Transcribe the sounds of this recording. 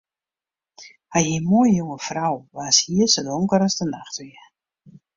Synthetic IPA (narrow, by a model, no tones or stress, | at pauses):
hajimoəjjoŋəfrawʋaːshiəsodoŋkəɾɔsdənaxtʋiə